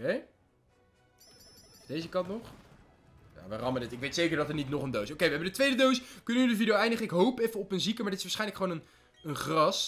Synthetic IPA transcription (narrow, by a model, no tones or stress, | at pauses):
e | d̥ejzəkɑntnoχ | ja̰ːʋərɑmənətɪkʋejtsejkəɹdɑtənitnoχəndowsowkejʋəɦɛbəndətʋejdədowskɵnənydəvidejoɛjndəχəɪkɦowpɛfəɔpənzikəmaɹdɪtɪsʋaːɹsχɛjnləkχəʋownən | ənχrɑs